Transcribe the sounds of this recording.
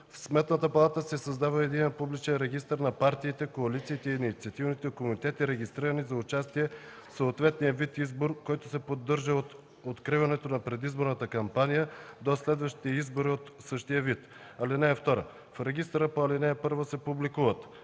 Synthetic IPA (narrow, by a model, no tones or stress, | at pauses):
fsmɛt̪nət̪əpɐlˠat̪əsɛsɐzd̪avəɛd̪inɛpublit͡ʃɛnɾɛɡ̟ist̪əɾnɐpaɾt̪iːt̪ɛkoɐlit̪siːt̪ɛinit̪siɐt̪ivnit̪ɛkomunit̪ɛt̪iɾɛɡʲist̪ɾiɾənizɐʊt͡ʃast̪iɛ | soːt̪vɛt̪nijəvit̪izboɾkɔjt̪ʊ̥sɛpod̪ːɤɾʒəo | ot̪kɾivɐnɛt̪onɐpɾɛd̪izboɾnət̪əkɐmpanijəd̪oslɛd̪vəʃt̪i̥t̪ɛizboɾiot̪sɤʃt̪ijəvit̪ | ɐlinɛːft̪ɔɾə̰ | fɾɛɡist̪ɾəpoɐlinɛːpɤɾvosɛpublikuvət̪